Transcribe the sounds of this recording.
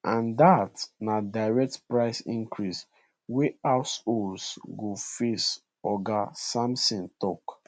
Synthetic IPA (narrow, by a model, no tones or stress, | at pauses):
ʔãndatnadaɪɹɛk̚tpɹaɪsĩŋkɹis | weasolsɡofes | ɔɡasãmsĩntɔk